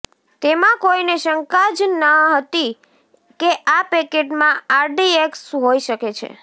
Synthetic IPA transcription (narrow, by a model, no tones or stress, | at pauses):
t̪emãkoineʃəŋkad͡ʒnəɦət̪i | keʔapekeʈmãaɾɖieksɦoiʃəket͡ʃʰḛ